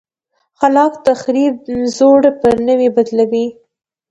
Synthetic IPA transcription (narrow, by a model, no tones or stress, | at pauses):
xalɑkt̪əxɾibzoɽpəɾnəwibad̪lawi